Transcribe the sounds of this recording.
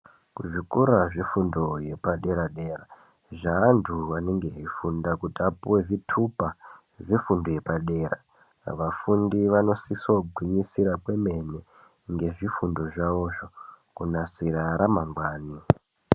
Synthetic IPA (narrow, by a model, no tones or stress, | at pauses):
kuʐikuɾaʐifundoje̞paɗe̞ɾaɗe̞ra | ʐaːndʰuʋaneŋɡe̞ɦifundakutapuwevitʰupa | ʐifundoje̞paɗe̞ːra | ʋafundiʋano̞sisoɡʱwiɲisiɾakwe̞me̞ne | ŋɡe̞ʐifundo̞ʐaʋo̞ʐo | kunasiɾaɾamaŋɡwaːni